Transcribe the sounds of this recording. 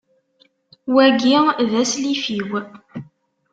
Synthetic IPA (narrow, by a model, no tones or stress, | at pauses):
wæɡiðæslifiw